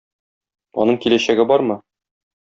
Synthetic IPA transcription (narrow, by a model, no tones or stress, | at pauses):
ɒ̰nɤɴkilæɕæɡɘbɒɾmɤ